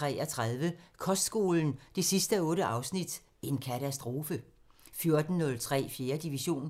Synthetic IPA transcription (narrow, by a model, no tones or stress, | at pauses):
ʁɛ̰ːɐt͡sʰʁaðˠʋəkʰɒ̽sd̥sɡ̥o̝ːln̩d̥e̝sisd̥əɔ̽ːɾəʔɑ̈ʊsnid̥ | e̝nkʰæt͡sʰæsd̥ʁo̝ːfə | fjo̝ɐd̥n̩ːɔ̽lt͡sʰʁɛ̰ːfje̝ːɐd̥iʋiɕo̝̰ːn